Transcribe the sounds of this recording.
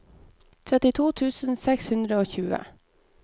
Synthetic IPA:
t̪ʰɾɛt̪ɪt̪ʰuːt̪ʰʉːsn̩sɛkshʉnd̪ɾəoːçʉːə̰

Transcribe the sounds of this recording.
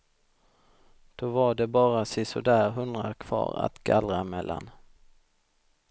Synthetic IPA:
d̪̥ovaɖɛbɑːɾasɪsɔd̪æːɾɦɵnd̪ɾakʰv̥ɑ̰ːɾa̰t̪ɡalɾamɛlːan

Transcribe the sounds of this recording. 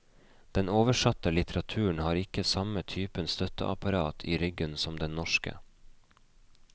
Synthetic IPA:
d̪̥ɛnoːʋəʃɑt̪əlɪt̪ʰəɾɑt̪ʰʉːɳ̩hɑːɾɪkəsɑmət̪ʰyːpənst̪œt̪ə̰ʔɑ̰pɑɾɑːt̪ʰiːɾʏɡənsɔmd̪ɛnnɔʃkə̰

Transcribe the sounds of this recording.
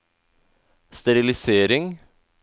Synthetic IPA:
st̪ɛɾɪlɪseːɾɪŋ

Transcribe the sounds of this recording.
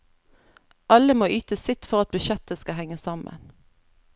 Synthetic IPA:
ʔɑləmoːʔyːt̪əsɪt̪fɔʁɑt̪̚bʉʃɛt̪əskɑhɛŋəsɑmə̰n

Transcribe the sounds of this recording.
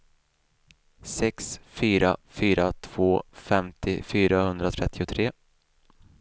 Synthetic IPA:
sɛksfyːɾa̰fyːɾat̪ʰv̥oːfɛmt̪ɪfyːɾahɵnd̪ɾat̪ʰɾɛt̪ʰːɪʊt̪ʰɾeː

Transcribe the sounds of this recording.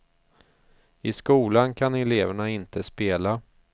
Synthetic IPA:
ɪskuːlankʰanɛleːvæɳaɪnt̪əspeːla

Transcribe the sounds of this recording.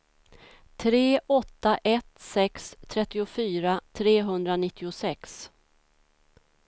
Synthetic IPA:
t̪ʰɾeːɔt̪ːaʔɛt̪sɛkst̪ʰɾɛt̪ːɪʊfyːɾat̪ʰɾeːɦɵnd̪ɾanɪt̪ːɪʊsɛks

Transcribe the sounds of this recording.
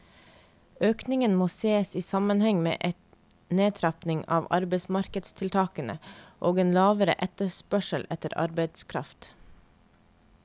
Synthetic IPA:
øːknɪŋənmoːseːsiːsɑmənhɛŋmḛːʔɛt̪ | neːt̪ʰɾɑpnɪŋɑ̰ːʋɑ̰ɾbəɪsmɑɾkəd̪st̪ʰɪlt̪ʰɑːkənə̰ʔoːɡeːnlɑːʋəɾə̰ʔɛt̪əspœʃəlʔɛt̪əɾɑ̰ɾbeɪd̪skʰɾɑft̪

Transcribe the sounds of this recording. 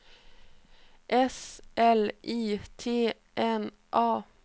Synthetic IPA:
ʔɛsʔɛlʔiːt̪ʰeː | ʔɛn | ʔɑː

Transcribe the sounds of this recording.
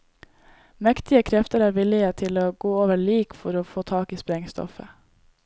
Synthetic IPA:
mɛkt̪ɪəkʰɾɛft̪əɾæːɾʋɪlɪət̪ʰɪloːɡoːoːʋəɭiːkfɔɾoːfoːt̪ʰɑːkiːspɾɛŋst̪ɔ̰fə̰

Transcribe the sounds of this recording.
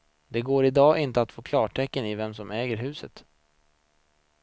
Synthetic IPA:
d̪ɛɡoːɾɪd̪ɑːʔɪnt̪əat̪foːkʰlɑːʈʰɛkːənɪvɛmsɔmɛːɡəɾɦʉ̟ːsət̪

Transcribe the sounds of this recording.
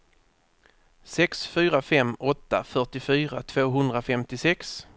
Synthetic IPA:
sɛksfyːɾafɛmːɔt̪ːafœʈɪfyːɾat̪ʰv̥oːɦɵnd̪ɾafɛmt̪ɪsɛks

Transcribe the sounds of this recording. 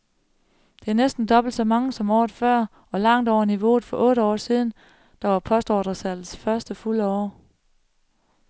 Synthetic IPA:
d̥e̝æɐnesd̥n̩d̥ɒ̽b̥l̩d̥sɒ̽mɑ̈ŋəsɒ̽mɒ̰ːð̩ˠfɶɐ̰ | ɒ̽lɑ̈ŋ̰d̥ɒʊ̰ɐniʋo̝̰ð̩ˠfɒ̽ʔɔ̽ːɾəɒ̰ːsiːð̞ˠn̩ | d̥ɑ̈ʋɑ̈pʰɒ̽sd̥ɒ̰ːd̥ʁɐsæl̰̩sfɶɐsd̥əfuləɒ̰ː

